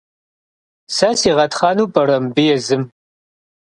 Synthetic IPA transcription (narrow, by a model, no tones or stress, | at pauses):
sɐsiːʁɐtχɑːnuːbɐrɐmbɨjɛzɨm